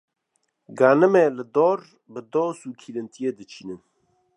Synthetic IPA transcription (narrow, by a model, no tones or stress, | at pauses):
ɡaːnɨmelɨd̪oːɾ | bɨd̪oːsuːkʰiːlɨnt̪ʰijed̪ɨt͡ʃʰiːnɨn